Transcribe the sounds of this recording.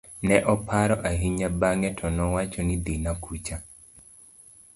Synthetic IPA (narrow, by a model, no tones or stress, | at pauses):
nɛʔɔpʰaɾɔʔaɦiɲabaŋɛtʰɔnɔwat͡ʃɔnid̪inakut͡ʃa